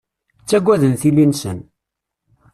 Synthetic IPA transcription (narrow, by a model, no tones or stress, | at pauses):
t͡sːæɡʷːæðənθilːinsə̰n